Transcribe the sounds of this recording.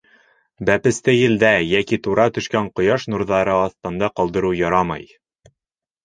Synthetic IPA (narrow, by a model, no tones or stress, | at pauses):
bæpɘ̆st̪ɘjɘ̆ld̪æjækit̪uɾɑt̪ɵ̆ʃkæɴqŏjɑʃnuɾðɑɾɤɑθt̪ɤ̆nd̪ɑqɒlˠd̪ɤ̆ɾujɒɾɑmɑ̰j